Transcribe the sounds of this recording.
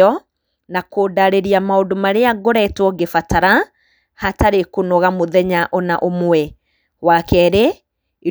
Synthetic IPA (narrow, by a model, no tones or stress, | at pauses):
ɔ | nakoːdaɾeɾiamaodomaɾeaɡoɾɛtwɔɡefataɾa | hataɾekonɔɣamoðɛɲaʔɔnaʔomwwɛ | wakɛɾe | i